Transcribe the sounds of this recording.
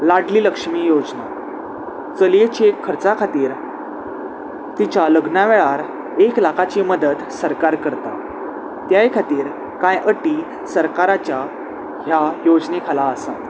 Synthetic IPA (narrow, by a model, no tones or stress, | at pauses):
laʈliːləkʂmiːjod͡zna | t͡səliet͡ɕeʈkʰəɾt͡sakʰat̪iːɾ | t̪it͡ɕaləɡnaʋeɭaɾ | eklakʰat͡ɕiːməd̪ət̪səɾkaɾkəɾt̪a̰ | t̪jajkʰat̪iːɾ | kãjʔəʈi | səɾkaɾat͡ɕja | ɦjajod͡znekʰalaəsã̰t̪